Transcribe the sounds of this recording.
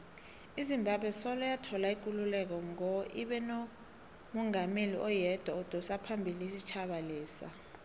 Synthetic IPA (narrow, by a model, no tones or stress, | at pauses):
izimbʱaɓʱwɛsɔlɔjatʰɔlaik̬ululɛk̬ɔŋɔʔiɓɛno | mɔŋameliʔɔjɛd̥ʱwaɔd̥ʱɔsapʰambʱiliisit͡ʃʰaɓaliːsa̰